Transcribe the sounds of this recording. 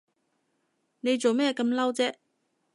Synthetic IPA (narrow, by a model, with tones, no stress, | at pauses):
ne˨˧jt͡ʃt͡so˨wmɛː˥kɐ˧mlɐ˥wt͡sɛː˥